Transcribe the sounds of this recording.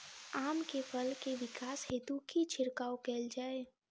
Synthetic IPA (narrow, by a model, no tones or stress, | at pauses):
aːmkepʰəlkeʋɪkaːsheːt̪ukit͡ʃʰɪɾkaːokɛːld͡ʒaːe